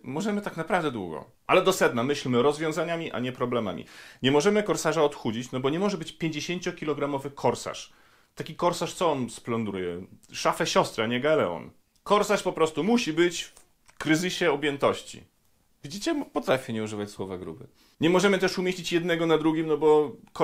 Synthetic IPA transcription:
mɔʐɛmɘt̪aknapɾavd̪ɛd̪wṵɡɔ̰ | ʔalɛd̪ɔsɛd̪namɘɕlmɘɾɔzvʲjɔ̃w̃zaɲamʲiʔa̰ɲɛpɾɔblɛma̰mʲḭɲɛmɔʐɛmɘkɔɾsaʐaɔt̪xud͡ʑit͡ɕnɔbɔɲɛmɔʐɛbɘt͡ɕpʲjeɲd͡ʑeɕeɲt͡ɕɔkʲilɔɡɾamɔvɘkʰɔɾsa̰ʂ | t̪akʲikɔɾsaʂt̪sɔɔnsplɔnd̪ɾujɛʂafɛɕɔst̪ɾɛaɲɛɡalɛ̰ɔ̰n | kɔɾsaʂpɔpɾɔst̪umuɕibɘt͡ɕf | kɾɘzɘɕɛɔbʲjɛnt̪ɔɕt͡ɕḭ | vʲid͡ʑit͡ɕɛpɔt̪ɾafʲɛɲɛuʐɘvat͡ɕʲswɔvaɡɾṵbɘ̰ | ɲɛmɔʐɛmɘt̪ɛʂumʲjeɕlit͡ɕjɛd̪nɛɡɔnad̪ɾuɡʲimnɔbɔk

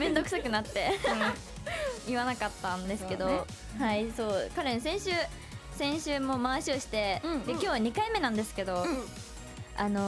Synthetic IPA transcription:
mẽ̞nd̪o̞kɯ̟̥sakɯ̟nat̪ːe̞ | iβanakat̪ːãnd̪e̞sɨɨke̞d̪o̞ | haiso̞ːkaɾe̞nosẽ̞ɰ̃ɕɨː | sẽ̞ɰ̃ɕɨːmo̞maɕio̞ɕi̥t̪e̞d̪e̞kʲo̞ːβaɲ̟ikaime̞nãnd̪e̞sɨ̥ke̞d̪o̞ | ano̞

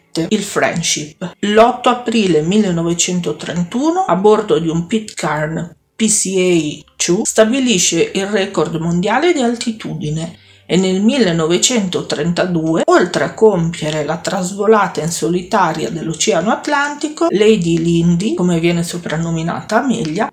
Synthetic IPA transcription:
eilfɾɛ̰nʃiplɔt̪ːoapɾiːlemilːenːɔvet͡ʃɛnt̪ot̪ɾent̪uːnoabord̪od̪iumpit̪karn | pisiɛt͡ʃust̪abiliʃeʔilrɛkord̪mond̪jaːled̪ialt̪it̪uːd̪ine | enːelmilːenːɔvet͡ʃɛnt̪ot̪ɾent̪ad̪uːeolt̪ɾeakːompjeɾelat̪ɾazvolaːt̪ainsolit̪aːɾja̰d̪elːot͡ʃɛanoat̪lant̪ikolejd̪ilind̪ikomevjɛːnesopɾanːomina̰ːt̪aːmiʎːa

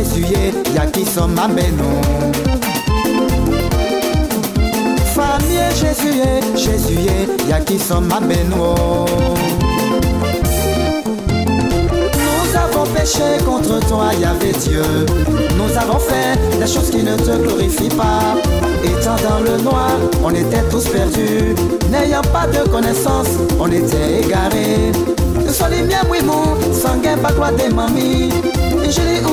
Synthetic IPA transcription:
ezye | jakisɔmːabɛnɔ̃ | famieʒezyeʒezyejakisɔmːabɛnwo | nuzavɔ̃peʃekɔ̃t̪χət̪waiavɛd̪jø | nuzavɔ̃fɛ | d̪ɛʃozkʲinət̪əɡlɔʁifipa | et̪ɑ̃d̪ɑ̃lənwaʁ | ɔ̃net̪ɛt̪uspɛʁd̪y | nejɑ̃pad̪əkɔnɛsɑ̃s | ɔ̃net̪ɛeɡaʁe | swalimjɛ̃mwimu | sɑ̃ɡɛ̃pad̪wad̪ɛmãmi | ʒəli

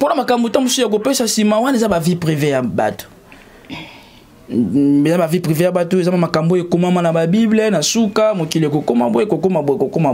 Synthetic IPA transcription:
ponamakambotamusuak̬opesasimawanezabavipʁivejaba̰to̥ | ezabavipʁivejabatoezamamakamboekomamanababiblenasukamokilek̬okoma̰bekokomabokokoma

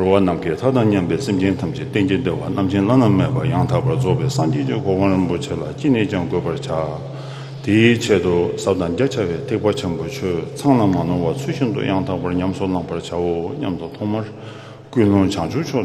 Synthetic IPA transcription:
rowanamkit̪ʰat̪aŋɲampɛːsemt͡ɕent̪ʰamt͡ɕit̪end͡ʑend̪eʔwanamt͡ɕʰenlanammeʔpajaŋt̪ʰaʔpaɹd͡zopɛːsaŋd͡ʑet͡ɕikowaɹinpot͡ɕʰelat͡ɕeneːt͡ɕaŋkøpart͡ɕʰa | t̪it͡ɕʰeʔt̪usap̚t̪aŋd͡ʑat͡ɕʰawɛːt̪ʰeʔpat͡ɕʰenpot͡ɕʰøt͡sʰaŋlamaloŋwat͡sʰyːɕint̪ṵjaŋt̪ʰaʔpaɲamsolaŋpaɹt͡ɕʰawoɲa̰mt̪ut̪ʰɔŋmaɹ | kyːluŋt͡ɕʰaŋt͡ɕʰut͡ɕʰoʔ

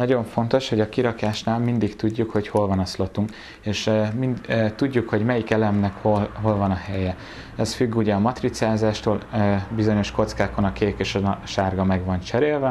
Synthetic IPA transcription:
nɒɟo̞ɱfo̞nt̪o̞ʃho̞ɟɒkiɾɒkaːʃnaːlmind̪ikt̪uɟːukho̞cho̞lvɒnɒslo̞t̪uŋk | eːʃminːt̪uɟːukho̞ɟmɛjikɛlɛmnɛkholɦo̞lvɒnɒhɛjɛ | ɛsfyɡːuɟɛːmɒt̪rit̪siaːzaːʃt̪oːløbizo̞ɲo̞ʃko̞t̪skaːkonɒkeːkeːʃɒʃaːrɡɒmɛɡʋɒnt͡ʃɛɾeːlvɛ

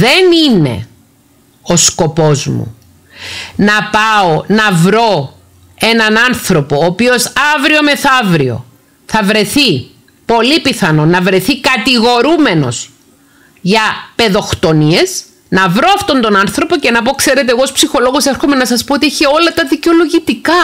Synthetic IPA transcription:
ðe̞nine̞̰ | o̞sko̞po̞zmṵ | nɐpɐo̞nɐvɾo̞ | enɐnɐnθɾo̞po̞ːpio̞sɐvɾio̞me̞θɐvɾio̞̰ | θɐvɾe̞θi | po̞lipiθɐno̞nɐvɾe̞θikɐt̪iɣo̞ɾume̞no̞̰s | ʝɐpe̞ðo̞xt̪o̞nie̞s | nɐvɾo̞ɐft̪o̞nt̪o̞nɐnθɾo̞po̞ce̞nɐpo̞kse̞ɾe̞t̪eɣoospsixo̞lo̞ɣo̞seɾxo̞me̞nɐsɐspo̞ot̪ieçeo̞lɐt̪ɐðiceo̞lo̞ʝit̪ikɐ

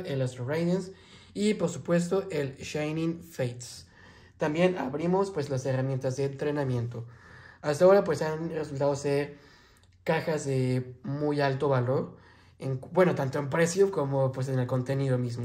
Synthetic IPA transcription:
ʔelast̪ɾorajðens | ipo̞ɾsupwe̞st̪o̞ʔelʃajnĩŋfejt̪ | t̪ambje̞naβɾimo̞spwe̞zlase̞ramje̞nt̪azðe̞ːnt̪ɾe̞nãmje̞nt̪o̞ast̪ao̞ɾapwe̞sanre̞s̬ult̪aðose̞ɾ | kaxazðe̞mujalt̪o̞βalo̞ɾ | eŋbwe̞no̞t̪ant̪oempɾe̞sjoko̞mopwe̞s̬e̞ne̞lko̞nt̪e̞niðo̞mizmo

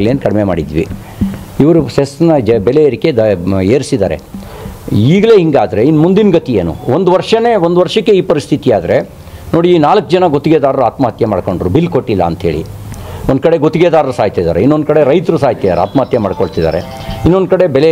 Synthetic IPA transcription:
leːnkɐɽmema̰ːɽid̪ʋḭ | iʋɐɾusesnɐbɛlejɐɾikːe̞eːɾsid̪aːɾḛ | iːɡɐle̞ːɦiŋɡaːd̪ɐɾeinmund̪inɡɐt̪ijeːnṵond̪uʋɐɾʂɐne̞ːond̪ʋɐɾʂɐkːe̞iːpɐɾist̪ʰit̪iaːd̪ɐɾe̞ | no̞ːɽiːnaːlɐkːd͡ʒɐnɐɡot̪ːiɡeːd̪aːɾɐɾuaːt̪mɐɦɐt̪jɐmaːɽko̞ɳɖɾubilːkoʈːilːɐ̰ːnt̪ɦe̞ːɭḭond̪kɐɽe̞ɡot̪iɡeːd̪aːɾɐɾusaːɦit̪ɐid̪a̰ːɾeinːond̪kɐɽe̞ɾɐjt̪ɐɾusaːɦit̪ɐd̪aːɾa̰ːt̪mɐɦɐt̪jɐmaːɽkoɭt̪id̪a̰ːɾe̞̰ | inːo̞nd̪̚kɐɽe̞bɛle

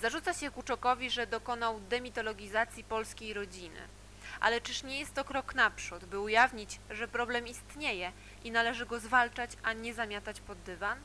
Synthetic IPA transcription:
zaʐut̪saɕɛkut͡ʂɔkɔvʲiʐɛd̪ɔkɔn̪awd̪ɛmʲit̪ɔlɔɡʲizat̪sʲjipɔlskʲejɾɔd͡ʑinɘ̰ | ʔa̰lɛt͡ʂɘʂɲɛjɛst̪ːɔkɾɔknapʂud̪bɘujavɲit͡ɕʐɛpɾɔblɛmist̪ɲejɛ | ʔinalɛʐɘɡɔzvalt͡ʂat͡ɕaɲɛzamʲjat̪at͡ɕpɔd̪ːɘvan

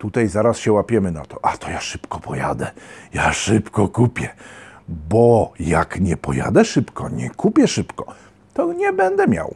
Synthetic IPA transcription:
t̪ut̪ajzaɾasɕɛwapʲjɛmɘna̰t̪ɔʔat̪ɔjaʂɘpkɔpɔja̰d̪ɛjaʂɘpkɔkupʲjɛ | bɔjakɲɛpɔja̰d̪ɛʂɘpkɔɲɛ̰kupʲjɛʂɘpkɔ | t̪ɔɲɛbɛnd̪ɛmʲja̰w

